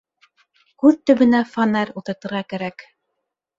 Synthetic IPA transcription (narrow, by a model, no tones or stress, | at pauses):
kʉðt̪ɵ̆βɘ̆næfanæɾulˠt̪ɤ̆ɾt̪ɤ̆ɾʁɑkæɾæk